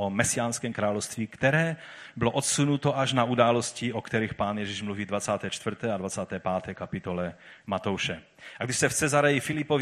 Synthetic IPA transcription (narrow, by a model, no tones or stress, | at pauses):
ɔmɛsɪaːnskɛːmkɾaːlɔwst̪ʋiːkt̪ɛɾɛː | bɪlɔʔɔt̪sunut̪ɔʔaʒnaud̪aːlɔsciɔkt̪ɛɾixpaːnjɛʒiʒmluviːd̪vat͡saːt̪ɛːt͡ʃt̪vr̩t̪ɛːad̪vat͡saːt̪ɛːpaːt̪ɛjkapit̪ɔlɛmat̪ɔwʃɛ | aɡd̪iʃsɛft͡sɛzaɾɛjifilipɔ